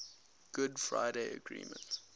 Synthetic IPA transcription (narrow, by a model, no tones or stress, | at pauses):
ɡ̥ʊdfɹa̰ɪdeɪəɡɹḭ̃ːmə̰̃nt